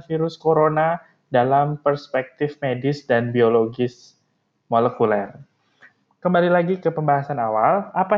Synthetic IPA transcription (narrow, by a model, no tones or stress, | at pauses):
fiɾʊskoɾona | dalampərspɛk̚t̪ɪfmedɪsdanbioloɡɪs | molɛkulɛr | kəmbalilaɡikəpəmbaɦasanawalapa